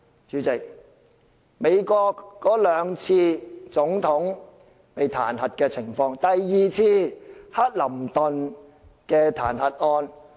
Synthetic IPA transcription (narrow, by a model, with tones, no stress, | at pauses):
t͡ʃyː˨˥t͡sɪ˨k̚ | me˨˧jkɔː˧kːɔː˨˥lœː˨˧ŋt͡sʰiː˧t͡sʊ˨˥ŋt̪ʰʊ˨˥ŋ | pe˨jt̪ʰa̰ː˨˩nhɐ˨t̚kɛː˧t͡sʰɪ˨˩ŋfɔː˧ŋt̪ɐ˨jːiː˨t͡sʰiː˧˥hɐ˥t̚lɐ˨˩mt̪ʊ˨n | kɛː˧t̪ʰa̰ː˨˩nhɐ˨t̚ŋɔː˧n